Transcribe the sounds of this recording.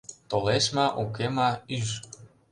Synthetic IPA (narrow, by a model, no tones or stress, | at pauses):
t̪oleʃmɑʔukemɑyʃ